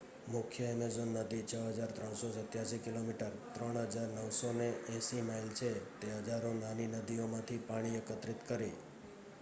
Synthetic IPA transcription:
mʊkʰjəɛmezonːəd̪it͡ʃʰəɦəd͡ʒaɾt̪ɾəɳ̃sɔsət̪jaʃikɪlomiʈəɾt̪ɾəɳ̃ɦəd͡ʒaɾnəwsoneʔɛ̃simailt͡ʃʰet̪eɦəd͡ʒaɾonaninəd̪iomãt̪ʰipaɽ̃iəkət̪ɾɪt̪kəɾi

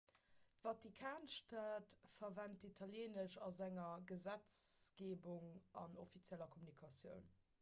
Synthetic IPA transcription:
tvɑtikʰaːnʃtatfɐvæntitʰɑljeːnəʃɑzæŋɐɡəzæt͡sɡ̥eːbuŋɑ̰no̰fit͡sjælɐkʰomunikʰɑsjə̰ʊn

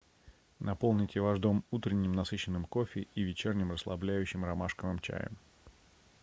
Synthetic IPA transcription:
nɐpo̞lˠnʲɪtʲɪvaʐd̪o̞mut̪ɾʲɪnʲːɪmnɐsɨɕːɪnːɨmko̞fʲɪivʲɪt͡ɕernʲɪmrəslˠɐ̰blʲæjʉɕːɪmrɐmaʂkəvɨmt͡ɕæ̰jə̰m

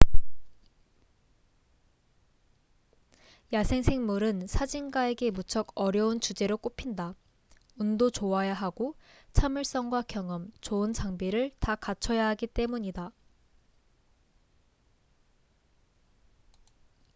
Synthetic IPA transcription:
jasʰe̞ŋsʰe̞ŋmuɾɯnsʰad͡ʑinɡae̞ɡe̞mut͡ɕʰʌɡʌɾjʌunt͡ɕud͡ʑe̞ɾok͈opʰinda | undot͡ɕoajaɦaɡo | t͡ɕʰamuɭs͈ʌŋɡwakjʌŋʌmt͡ɕoɯnt͡ɕaŋbiɾɯɭtakat͡ɕʰʌjaɦaɡit͈e̞muɲida

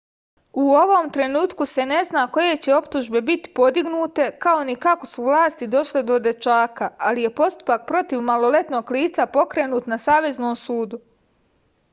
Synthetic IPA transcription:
uo̞ʋomt̪ɾe̞nuːt̪kuse̞ne̞znaːko̞je̞t͡ɕe̞o̞pt̪uʒbe̞bit̪i̥po̞d̪iɡnuːt̪e̞kao̞nikako̞suʋlaːst̪id̪o̞ʃled̪o̞d̪e̞t͡ʃaːkaalije̞po̞st̪u̥pak̚pɾo̞t̪iʋmalo̞le̞t̪no̞ːɡliːt̪sapo̞kɾe̞ːnuːt̪nasaːʋe̞znoːmsuːd̪u

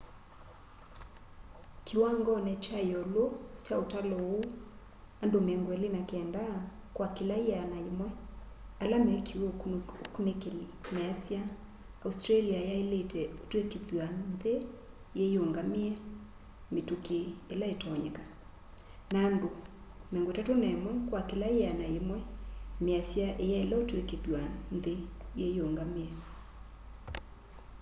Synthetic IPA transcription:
kʰiwaŋɡɔnɛt͡ʃajɔlot͡ʃaotalɔu | andomɛŋɡwɛlenakɛndakwakilaianaimwɛ | alamɛɛkʰiwkunekelinɛasia | austɾaliajaeletɛotwekepianðe | jejoŋɡameɛ | metukeelaetɔɔɲɛka | naːndo | mɛŋɡotatonaemwɛkwakelajeanaemwɛmeasjaʔejaelaotwekeðjwanðejejoŋɡameɛ

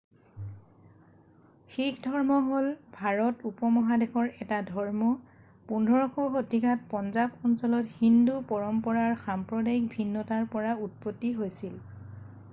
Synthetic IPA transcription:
xikdʱɔɹmɔɦolbʱaɹɔtupɔmɔɦadexʰɔɹɛtadʱɔɹmɔ | pundʱɔɹɔxoxotikat̚pɔnzabɔnsɔlɔthindupɔɹɔmpɔɹaɹxampɹɔdajk̚bʱinːɔtaɹpɔɹaut̚potːiɦojsil

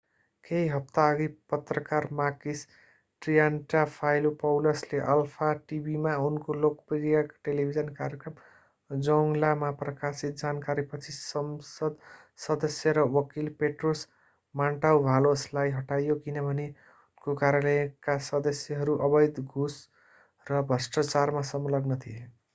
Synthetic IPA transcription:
keɦiɦʌp̚t̪aʌɡipʌt̪rʌkarmakis | ʈrijanʈapʰajlupʌwlʌsleʔʌlpʰaʈibʱimaunkolokpiɾijakʈelibʱid͡zʌnkaɾjʌkrʌm | d͡zʌŋlamaprʌkasit̪̚d͡zankaɾipʌt͡sʰisʌmsʌd̪ | sʌd̪ʌsjʌɾʌwʌkilpeʈros | maɳʈawbʱaloslajɦʌʈajokinʌbʱʌne | unkokaɾjʌlʌjkasʌd̪ʌsjʌɦʌɾuʔʌbʌjd̪ɡʱus | rʌbʱʌsʈʌt͡sarmasʌmlʌɡnʌt̪ʰie

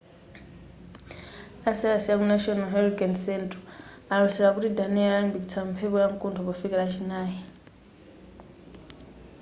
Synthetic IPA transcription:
asiasiakunaʃɔnalɦɛɾikʼansɛntʰʼɔalɔisɛɺakutidanɛalambiktʰampʰɛpɔjaŋkʼuntʰɔβɔfikɛɺat͡ʃʰinaːji

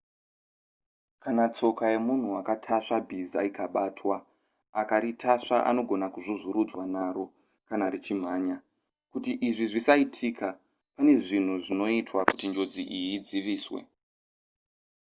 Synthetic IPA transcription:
kanat͡so̞kaje̞mun̤uakatʰaʂabʱiza̰ikaɓaːtwa | akaɾitʰaʂaʔa̰no̞ɡʱo̞nakuʐozuɾud͡zwanaɾo̞ | kanaɾit͡ʃim̤aːɲa | kutiʔiʐiʐisaitʰika | pane̞ʐin̤uʐino̞itwaku̥tind͡ʒo̞d͡ziʔijid͡ziʋiːswḛ

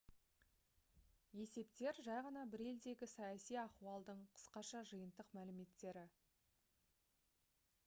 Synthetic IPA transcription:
je̞se̞pt̪e̞ɾʒɑjʁɑnɑbɪɾe̞ld̪e̞ɡʲɪsɑjɑsijɑquɑlˠd̪əɴqʰə̥sqɑʃɑʒəjənd̪əqmælɪme̞t̪ːe̞ɾɪ

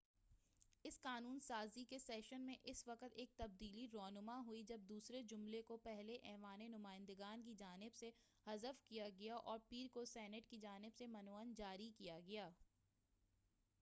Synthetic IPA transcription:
ɪsqaːnuːnsaːzikesɛːʃənmẽʔɪsʋɐqət̪eːk̚t̪ɐb̚d̪iːliɾɔːnʊmaɦuid͡ʒɐb̚d̪uːsɾed͡ʒʊmlekopɛɦleʔɛːʋaːnenʊmaːɪ̃nd̪əɡaːnk̬id͡ʒaːnɪbse | hɐzəfkijaɡɐjaʔɔːɾpiːɾkosɛːnəʈkid͡ʒaːnɪbsemɐnoːənd͡ʒaːɾikijaɡɐjaː

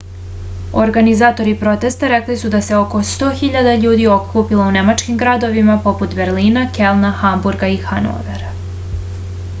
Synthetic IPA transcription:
oɾɡanizaːt̪o̞ɾipɾo̞t̪e̞st̪aɾeklisud̪aseo̞kost̪o̞ːxiʎad̪aʎuːd̪io̞kʰupiloune̞mat͡ʃkimɡɾad̪o̞ʋimapo̞put̪beɾliːnakelˠnaxambuɾɡaixano̰ːʋeɾa

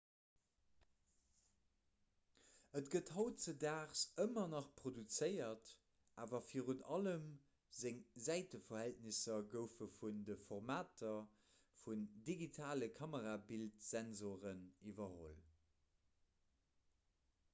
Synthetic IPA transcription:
ətɡəthɑʊtt͡sədaːχsəmɐnɑχpʁ̥odut͡səɪɐt | ʔaːvɐfiːʁunɑləm | zeŋzæɪtəfɐhælt̚nisɐɡəʊfəfundəfoʁmaːtʰɐ | fundiɡitʰaːləkʰɑməʁaːbiltz̥ænzoːʁənivɐho̰l

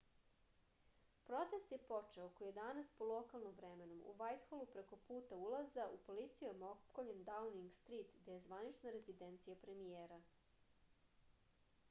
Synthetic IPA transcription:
pɾo̞t̪e̞st̪jepot͡ʂeokojije̞d̪anaspolˠokalˠnomʋɾeme̞nomṵʋajt̪xolupɾe̞ko̞puːt̪aulˠazaʔupo̞lit̪sijumokoʎend̪auniŋɡst̪ɾit̪d̪ejezʋanit͡ʃnaɾe̞zid̪ent̪sijapɾe̞mijeːɾa

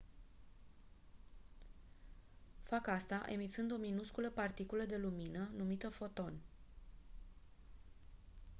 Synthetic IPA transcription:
fakast̪aʔe̞mit̪sɨnd̪o̞minuskuləpart̪ikuləd̪e̞luminənumit̪əfo̞t̪o̞n

